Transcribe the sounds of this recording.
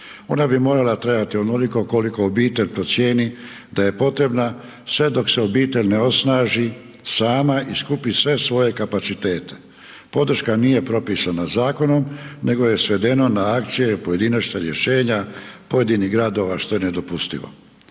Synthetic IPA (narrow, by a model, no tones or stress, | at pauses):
o̞̰nabimo̞ːɾalat̪ɾebat̪ionoliko̞koliko̞ːbiːt̪eʎʲpɾo̞t̪sje̞ːni | d̪aje̞po̞t̪ɾe̞bna | sʋe̞d̪o̞kseobiːt̪e̞ʎneo̞snaːʒi | saːmaʔiskupisʋe̞sʋo̞je̞kapat̪sit̪e̞ːt̪e̞̥ | po̞d̪ɾ̩ʃkaniːje̞pɾo̞pisanazaːko̞no̞mne̞ɡo̞je̞sʋe̞d̪e̞no̞naakt̪sije̞po̞je̞d̪inat͡ʃt̪eɾje̞ʃe̞ːɲapo̞je̞d̪iniɦɡɾad̪o̞ʋaʃt̪o̞jened̪o̞pust̪ḭʋo̰